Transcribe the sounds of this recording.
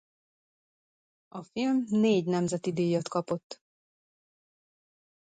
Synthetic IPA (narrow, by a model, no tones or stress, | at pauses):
ɒfilmneːɟnɛmzɛt̪id̪eːjɒt̪kɒpo̞t̪ː